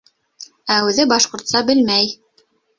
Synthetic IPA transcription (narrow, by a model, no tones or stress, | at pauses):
æʉðɘbɑʃqŏɾt̪sɑbɘlmæj